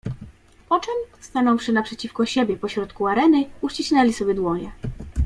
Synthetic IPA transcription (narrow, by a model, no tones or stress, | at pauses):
pɔt͡ʂɛmst̪anɔwʂɘnapʂɛt͡ɕifkɔɕebʲjɛpɔɕɾɔt̪kuaɾɛnɘuʂt͡ɕiɕnɛlʲisɔbʲjɛd̪wɔɲɛ